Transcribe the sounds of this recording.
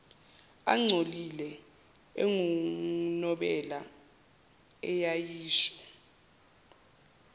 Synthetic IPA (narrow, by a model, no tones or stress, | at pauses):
a̰ŋ͡ǀʱolilɛ | eŋunɔɓɛla | ɛjajiːʃɔ̥